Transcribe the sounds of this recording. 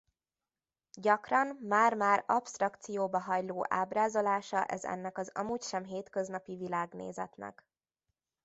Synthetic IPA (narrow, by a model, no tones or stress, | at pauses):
ɟɒkrɒmmaːrmaːrɒpst̪rɒkt̪sijoːbɒɦɒjloːʔaːbraːzo̞laːʃɒʔɛ̰zɛ̰nːɛkɒzɒ̰muːcʃɛmɦeːt̪køznɒpivilaːɡnḛːzɛt̪nɛ̰k